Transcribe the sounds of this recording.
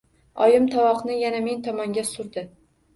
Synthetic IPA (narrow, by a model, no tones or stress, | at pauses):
ɒjɪmt̪ʰɒwɒqnɪjaname̞nt̪ʰɒmɒŋɡʲasʊɾd̪ɪ